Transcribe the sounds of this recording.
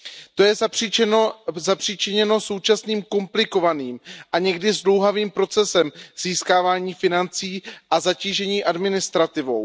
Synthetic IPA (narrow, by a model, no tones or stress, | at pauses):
t̪o̞jɛ | zapr̥iːt͡ʃɪɲɛno̞so̞wt͡ʃasniːmko̞mplɪko̞vaniːmʔaɲɛɡdɪzdlowɦaviːmpɾo̞t͡sɛsɛmz̥iːskaːvaːɲiːfɪnant͡siːʔazaciːʒɛɲiːʔadmɪnɪst̪ɾat̪ɪvo̞w